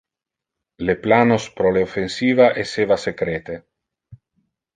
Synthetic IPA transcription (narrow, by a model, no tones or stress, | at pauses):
leplanospɾoleofensiːvaʔesevasekɾet̪e